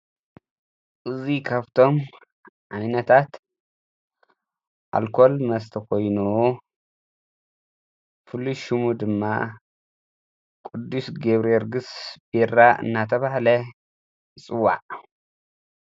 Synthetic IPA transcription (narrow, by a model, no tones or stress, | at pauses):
ʔɨzikʰaβt̪ʰo̞m | ʕaninɐt̪ʰat̪ | ʔa̰lkʰo̞lmɐst̪ʰɐkʰo̞jnu | fɨlːuʃumud̪ɨmːa | kʼɨd̪ːusɡeβɾeɾɡɨsb̥eraʔɨ̰nːat̪ʰɐβahlɐ | t͡sʼɨwːa̰ʕ